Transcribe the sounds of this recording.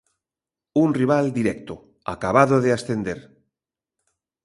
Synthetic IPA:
unriβ̞ald̪iɾɛk̚t̪o | a̰kaβ̞aðoðeasθend̪eɾ

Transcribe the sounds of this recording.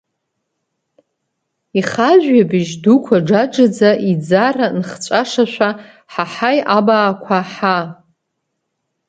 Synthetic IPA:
iχaʒʷᶣɥabɪʒdukʷʰaɖ͡ʐaʈ͡ʂad͡zaʔid͡zaranχt͡ɕʷʼaʂaʃᶣʷa | ħaħajabaːkʷʰaħa

